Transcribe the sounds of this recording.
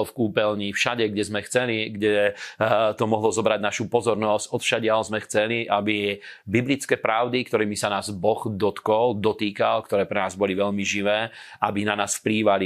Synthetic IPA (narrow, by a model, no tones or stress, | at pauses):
lfkuːpɛlɲiːfʃaɟɛɡɟɛzmɛxt͡sɛliɡɟɛ | t̪ɔmɔɦlɔzɔbɾaɟnaʃupɔzɔɾnɔscɔt̪fʃaɟɪalzmɛxt͡sɛliʔabibiblit͡skɛːpɾaʊd̪ikt̪ɔɾɛːmisanaːzbɔɣd̪ɔt̪kɔld̪ɔt̪iːkalkt̪ɔɾɛːpɾɛnaːzbɔliʋɛʎmiʒiʋɛːabinanaːsfpliːʋali